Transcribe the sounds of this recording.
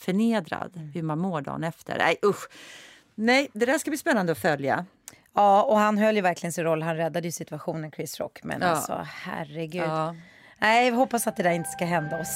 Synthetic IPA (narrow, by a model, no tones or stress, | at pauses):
fœɳeːd̪ɾa̰d̪hɵmanmoːɖɑ̰ːnɛft̪ʰə̰ɾɛ̰jʔɵɧ | nɛjd̪ɛd̪æːʂkabliːspɛnːand̪əɔfœlja̰ | ɑːɔhanɦœlːjəvæɾklɪɡənsɪnɾɔlːɦanɾɛd̪ːad̪əjɵsɪt̪ɵaɧuːnənkʰɾɪsɾɔ̰kːmɛ̰n̰sɔ̰ːhæ̰rɛɡʉː | nɛɪhɔpːasat̪̚d̪ɛd̪æːɾɪnt̪ə̥skaɦɛnd̪aɔs